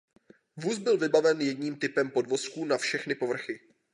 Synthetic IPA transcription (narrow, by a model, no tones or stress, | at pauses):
vuːsbɪlvɪbavɛnjɛdɲiːmt̪ɪpɛmpo̞dvo̞skuːnafʃɛxnɪpo̞vr̩xɪ